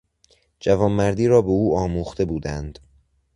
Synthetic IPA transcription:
d͡ʒævɒːmːæɾd̪iːɾɒːbe̞uːɒːmuːxt̪e̞buːd̪ænd̪̥

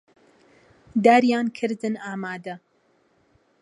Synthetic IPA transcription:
d̪aːɾjaːnkʰɨɾd̪ɨnaːmaːd̪ɐ

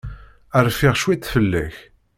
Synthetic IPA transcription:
əɾˤfiʁʃwit̪ːfəlːæç

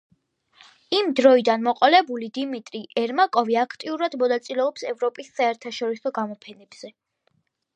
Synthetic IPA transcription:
imd̪ɾɔid̪anmɔqʼɔlɛbulid̪imit̪ʼɾiʔɛɾmakʼɔviakʰt̪ʼiuɾad̪mɔnat̪sʼilɛɔpsɛvɾɔpʼisːaɛɾt̪ʰaʃɔɾisɔɡamɔpʰɛnɛbz̥ɛ

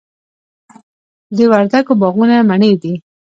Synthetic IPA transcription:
d̪əwaɾd̪aɡobɑɣunamaɳed̪i

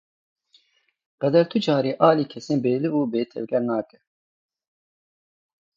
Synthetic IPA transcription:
qɛd̪ɛɾt̪ʰʊd͡ʒaːɾiːʔɑːliːkʰɛseːnbeːlɨuːbeːt̪ʰɛ̰vɡʲɛɾnaːkɛ

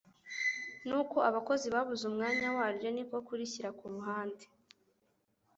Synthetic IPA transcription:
nuːko̞aβako̞ziβaβuzumŋaːɲawaːɾjo̞nikokuɾiciɾakuːmɦaːnde

